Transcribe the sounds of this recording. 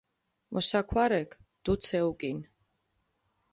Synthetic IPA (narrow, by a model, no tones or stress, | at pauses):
mʔɔsakʰwaɾɛkʰ | d̪̥ut̪sʰɛukʼin